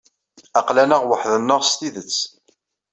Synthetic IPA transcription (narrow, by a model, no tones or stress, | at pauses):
ɑqlænəʁwəħðənːəʁst̪iðət͡sː